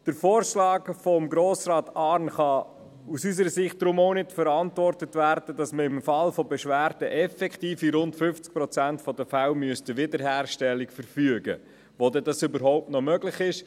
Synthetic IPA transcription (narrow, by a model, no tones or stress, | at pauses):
d̥əɾfoːɾʃlɑːɡfɔmɡɾoːsɾɑːtɑːɾnχɑ | usys̬əɾəsɪχt̚d̥ɾʊmoʊnɪtfəɾɑntvɔrtətvæːɾd̥əd̥ɑsməɪmfɑlfɔbɛʃʋæːɾd̥əʔɛfɛktiːfiɾʊntfʏft͡sk̚pɾɔt͡sæntfɔdəfawmyəstəʋɪdəɾɦæːrʃtɛlːikfəɾfyəɡə̰ | ʋodɛdɑsʏbəɾɦoʊp̚tnɔmœɡlɪχɪʃ